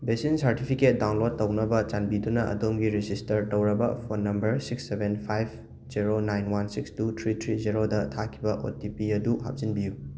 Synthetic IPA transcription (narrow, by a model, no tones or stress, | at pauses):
besinsɐɾtipʰiket̚daw̃nlod̚ːɐwnɐbɐt͡ʃanbidunɐʔɐ̰domɡiɾezistɐɾtɐwɾɐbɐ̰pʰonːɐmbɐɾsiksːebenpʰajb̚ʰ | ziɾonajnwansikstutʰɾitʰɾiziɾodɐtʰakʰibɐʔo̰tipiɐduɦa̰p̚zinbiju